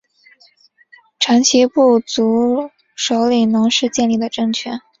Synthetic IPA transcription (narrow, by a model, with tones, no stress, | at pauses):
ʈ͡ʂʰa˧˥nt͡ɕʰi˧˥pu˥˩t͡su˧˥ | ʂo˧˥ʊli˨˩nɤ˧˥ŋʂɻ̩˥˧t͡ɕjɛ˥˧nli˥˩d̪ə˩ʈ͡ʂɤ˥˧ŋt͡ɕʰɥɛ˥n